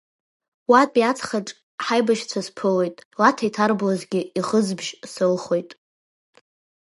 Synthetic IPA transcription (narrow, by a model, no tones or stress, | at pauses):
watʼiat͡sʰʼχaʈ͡ʂʼ | ħajbaʃt͡sʷʰaspʰɨlo̞jtʼlatʰaitʰarblazɡʲɪiχəzbʒsɨlχo̞jtʼ